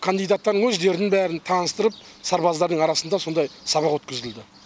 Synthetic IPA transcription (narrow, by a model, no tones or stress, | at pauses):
kʰand̪ijd̪ɑt̪ːɑɾnəŋwɵzd̪e̞ɾɪnɪŋbæɾɪnt̪ʰɑnəst̪əɾəp̚ | sɑɾbɑzd̪ɑɾd̪əɴɑɾɑsənd̪ɑso̞nd̪ɑjsɑbɑqwɵt̪kʲɪzd̪ɪld̪ɪ